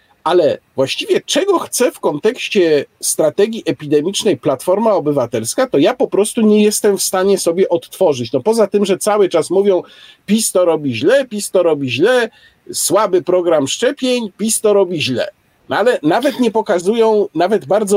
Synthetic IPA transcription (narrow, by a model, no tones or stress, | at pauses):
alɛvwaɕt͡ɕivʲjɛt͡ʂɛɡɔxt̪sɛfkɔnt̪ɛkɕt͡ɕɛst̪ɾat̪ɛɡʲjiʔɛpʲid̪ɛmʲit͡ʂnɛjplat̪fɔɾmaɔbɘvat̪ɛlskat̪ɔjapɔpɾɔst̪uɲɛjɛst̪ɛmfst̪aɲɛsɔbʲjɛʔɔt̪ːfɔʐɘt͡ɕnɔpɔzat̪ɘmʐɛt̪sawɘt͡ʂasmuvjɔ̃w̃pʲist̪ɔɾɔbʲiʑlɛpʲist̪ɔɾɔbʲiʑlɛ | swabɘpɾɔɡɾamʂt͡ʂɛpʲjeɲpʲist̪ɔɾɔbʲiʑlɛ̰ | nalɛnavɛt̪ɲɛpɔkazujɔ̃w̃navɛd̪baɾd̪zɔ